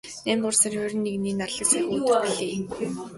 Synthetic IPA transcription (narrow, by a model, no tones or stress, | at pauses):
næːmt̪ʊrsə̆rxʊɾʲɘ̆nːeɣniːnarɮə̆ksexuːɮeː